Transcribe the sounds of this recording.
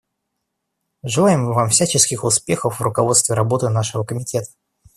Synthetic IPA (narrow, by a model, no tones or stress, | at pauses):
ʐɨlˠajɪmvamfsʲæt͡ɕɪskʲɪxʊspʲe̞xəfvrʊkɐvo̞t̪st̪vʲɪɾɐbo̞t̪ɨnaʂɨvəkəmʲɪtʲe̞t̪ə̥